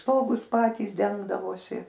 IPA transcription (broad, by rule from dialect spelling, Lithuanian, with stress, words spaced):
ˈstoːɡʊs ˈpɑːtʲiːs ˈdʲɛŋɡdɐʋoːsʲɪ